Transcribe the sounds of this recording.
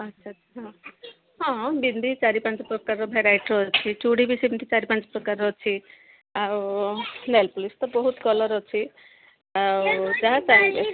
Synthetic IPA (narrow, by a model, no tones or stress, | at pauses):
atːʃʰatʰɦɔ̃ | ɦɔ̃bind̪ʱit͡ʃaɾipãnt͡ʃɔpɾɔkaɾɔbʱeɾajʈɾɔet͡ʃʰit͡ʃuɽibisibind̪ʱit͡ʃaɾipãnt͡ʃɔ̥pɾɔkaɾɔt͡ʃʰi | awnelpulist̪ɔbɔɦut̪kɔlɔɾɔt͡ʃʰi | awd͡ʒaɦat͡ʃaɦbe